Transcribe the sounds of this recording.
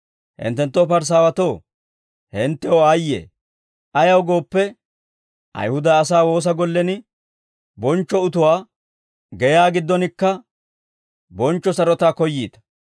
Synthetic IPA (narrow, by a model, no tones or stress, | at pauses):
hɪ̰nt̪ːɛnt̪ːopɐɾs̬aːwɐt̪oː | hɛnt̪ːɛɔajːḛː | ʔɐjɐwɡo̞ːpːɛ | ʔɐ̰jhʊd̪ɐːsaːwo̞ːs̬ɐɡɔlːɛnɪ | bɔnt͡ʃːɔʊt̪ʊwaː | ɡɛjaːɡɪd̪ːɔnɪkːɐ | bɔnt͡ʃːɔsɐɾɔt̪aːkɔjːiːt̪ɐ̥